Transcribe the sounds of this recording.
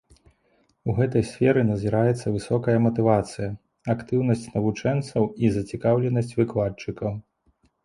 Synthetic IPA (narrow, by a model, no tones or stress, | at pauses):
uɣɛt̪ɐjsʲfʲɛɾɨnɐzʲiɾajɛt̪sːɐvɨsɔkɐjɐmɐt̪ɨvat̪sɨjɐ | akt̪ɨwnɐsʲt͡sʲnɐvut͡ʂɛnt̪sɐwizɐt͡sʲikawlʲɛnɐsʲt͡sʲvɨklˠat͡ʂɨkɐw